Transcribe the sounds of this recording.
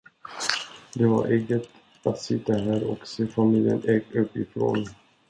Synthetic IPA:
d̪ɛva̰ɾʔeːɡət̪ | at̪sɪt̪ːaɦæːɾɔ̰kseːfamiljə̰nɛɡɵpːɪfɾo̰ːn

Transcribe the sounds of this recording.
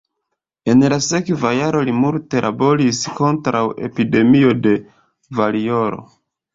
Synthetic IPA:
e̞nlase̞kvajaɾo̞limulte̞lʔabo̞ɾisko̞ntɾʔawe̞̰pide̞mio̞de̞ | valio̞ɾo̞̰

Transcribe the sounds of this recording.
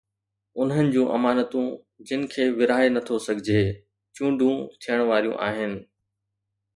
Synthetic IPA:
ʊn̤ɦənɪ̆d͡ʑũːʔɐmaːnət̪ũ | d͡ʑɪnɪ̆kʰeːʋɪɾaːenɐt̪ʰosɐɡʱɪd͡ʑʱeː | t͡ɕũːɳɖʱũt̪ʰijəɽ̃ʋaːɾijṵ̃ʔa̰ːɦɪnɪ̆

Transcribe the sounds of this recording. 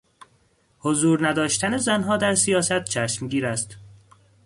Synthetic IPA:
hozuːɾnæd̪ɒːʃt̪ʰæne̞zænɦɒːd̪æɾsijɒːsæt̪̚t͡ʃʰæʃmɟiːɾæst̪

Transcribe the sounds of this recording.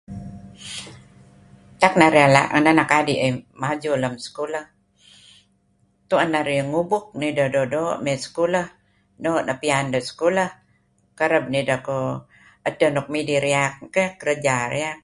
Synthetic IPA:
t̪ak̚naɾiala̰ʔŋənanakadiʔəmad͡ʒuləmskuləh | t̪uanːaɾiəŋubʊk̚nidododoʔmɛskuləh | noʔnapiandoskulə | kəɾəb̚nidako | ət̪ːənɔk̚midiɾiak̚kəkəɾəd͡ʒaɾiak̚

